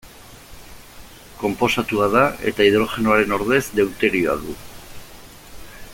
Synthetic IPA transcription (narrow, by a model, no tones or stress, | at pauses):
ko̞mpo̞sat̪uaðae̞̰t̪aiðɾo̞ʝe̞noaɾe̞no̞ɾðe̞zd̪e̞wt̪e̞ɾioa̰ðu